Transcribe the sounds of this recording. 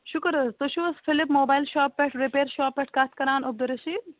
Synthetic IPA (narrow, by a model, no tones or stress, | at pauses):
ʃʊkəɾɐst̪oʃusfʰɪlɪpmoːbaːjlʃaːpːɛʈʰɾipeːɾʃaːpːɛʈʰkaːt̪ʰkɐɾaːnʔʊb̚d̪ɐɾɐʃiː